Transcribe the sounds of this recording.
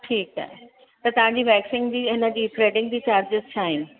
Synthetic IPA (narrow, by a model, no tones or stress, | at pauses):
ʈʰiːka̰ːɦe | t̪ɐt̪ɐʋ̤ãːɲd͡ʑiːbɛːksɪ̃ŋɡd͡ʑiːɦɪnəd͡ʑiːfɾeːɖɪ̃ŋɡd͡ʑiːt͡ɕaːɾd͡ʑɪzt͡ɕʰaːɦɪnɪ̆